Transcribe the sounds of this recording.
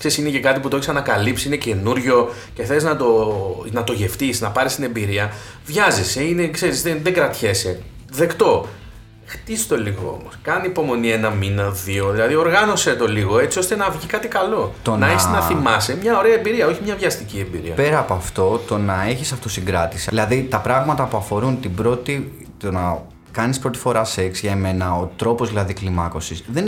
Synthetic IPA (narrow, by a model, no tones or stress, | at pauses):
kse̞ɾisinece̞kɐt̪iput̪oeçsɐnɐkɐlipsiine̞ce̞nuɾʝo̞ | cexθe̞liznɐt̪onɐt̪o̞ʝe̞ft̪isnɐpɐɾist̪ine̞mbiɾiɐ | vʝɐziseine̞kse̞ɾizðenðeŋɡɾɐt̪çe̞se̞ | ðe̞kt̪o̞ | xt̪isi̥t̪o̞liɣo̞̰o̰moskɐnipo̞mo̞nienɐminɐðio̞ðilɐðio̞ɾɣɐno̞se̞t̪o̞liɣo̞e̞t͡sio̞st̪enɐvʝikɐt̪ikɐlo̞t̪o̞nɐeçsnɐimɐsemɲɐo̞ɾe̞ɐembiɾiɐo̞çimɲɐvʝɐst̪icie̞mbḭɾḭɐ̰pe̞ɾɐːpoɐft̪o̞t̪o̞nɐe̞çisɐft̪osiŋɡɾɐt̪isiilɐðit̪ɐpɾɐɣmɐt̪ɐpuɐfo̞ɾunt̪ibɾo̞t̪i | t̪onɐ | kɐnispɾo̞t̪i̥fo̞ɾɐse̞ksʝɐeme̞nɐot̪ɾo̞po̞zðilɐðiklimɐko̞sisðen